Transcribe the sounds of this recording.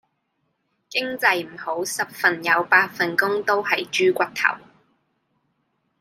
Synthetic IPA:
kɪ˥ŋt͡sɐ˧jm̩˨˩ho˨˥wsɐ˨p̚fɐ˨njɐ˨˧wpaː˧t̚fɐ˨nkʊ˥ŋt̪o˥whɐ˨jt͡ʃyː˥kʷɐ˥k̚t̪ʰɐ̰˨˩w

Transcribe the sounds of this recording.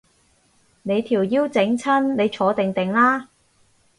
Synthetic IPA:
ne˨˧jt̪ʰiː˨˩wjiː˥wt͡sɪ˨˥ŋt͡sʰɐ˥nne˨˧jt͡ʃʰɔː˨˧˥t̪ɪ˨ŋt̪ɪ˨ŋlaː˥

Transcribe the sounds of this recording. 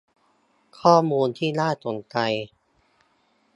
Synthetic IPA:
kʰɔː˥˩muː˧nt̪ʰiː˥˩laː˥˩t̪o˨˩nka˧j

